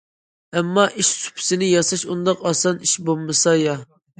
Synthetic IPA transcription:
ɛmːɑʔiʃsu̥pʰɪ̥sɪnɪjɑsɑʃund̪ɑqɑsɑniʃbolˠmɨsɑjɑ

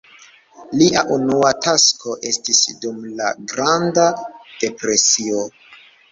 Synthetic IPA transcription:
liʔaʔunuatasko̞ʔe̞stisdumla̰ɡɾandad̥e̞pɾe̞sio

